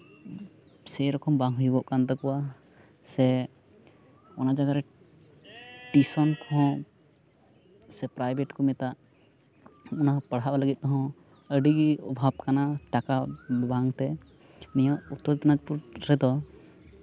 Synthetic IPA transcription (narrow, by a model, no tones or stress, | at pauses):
sɛjɾɔkɔmbaŋɦujbɔʔkant̪ɔkɔwa | sɛ | ɔnad͡ʒaɡaɾɛ | ʈisɔnkʰɔ̃ | sɛpɾajbeʈkɔmɛt̪aʔ | ɔnaɔ̃pəɽ̤ɦaʔaləɡit̪̚t̪ɔɦɔ̃ | əɖiɡiɔbʱab̚kanaʈakabaŋt̪ɛ | nɛjɔ̃ʔut̪ːɔt̪ɔnad͡ʒpuɾɾɛd̪ɔ